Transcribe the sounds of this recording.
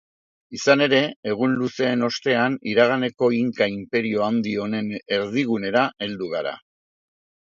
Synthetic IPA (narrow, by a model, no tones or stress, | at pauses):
isane̞ɾe̞eɣ̞unluse̞ːno̞st̪e̞aniɾaɣ̞ane̞ko̞iŋkaimpe̞ɾio̞and̪io̞ne̞ne̞ɾðiɣ̞une̞ɾaʔe̞ld̪uɣ̞aɾa̰